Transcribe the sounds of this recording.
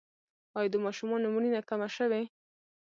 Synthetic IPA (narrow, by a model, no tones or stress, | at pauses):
ɑjd̪əmɑʃumɑnomuninakamaʃəwe